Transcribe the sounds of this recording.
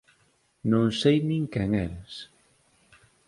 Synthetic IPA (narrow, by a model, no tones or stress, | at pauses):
nõŋsejnĩŋkɛŋɛɾes